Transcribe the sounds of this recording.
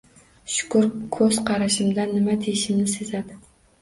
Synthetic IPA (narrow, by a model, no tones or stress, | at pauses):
ʃʊ̥kʊɾkʰɵz̥qʰɑɾaʃɪmd̪anːɪmad̪ejɪʃɪmnɪsezad̪ɪ